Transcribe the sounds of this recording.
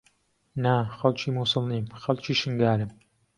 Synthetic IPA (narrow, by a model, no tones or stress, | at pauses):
naxɐlt͡ʃʰiːmuːsɨlniːmxɐlt͡ʃʰiːʃɨŋɡaːɾɨm